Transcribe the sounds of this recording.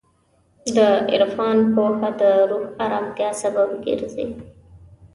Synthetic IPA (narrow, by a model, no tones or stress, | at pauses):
d̪əɪ̰ɾfɑnpoxad̪əɾuxaɾɑmt̪jɑsababɡḛɾzḛ